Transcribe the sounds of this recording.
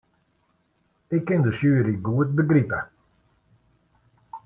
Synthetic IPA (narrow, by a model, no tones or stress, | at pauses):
ɪkːɪndəsjøːəɾiɡuət̚bəɡripə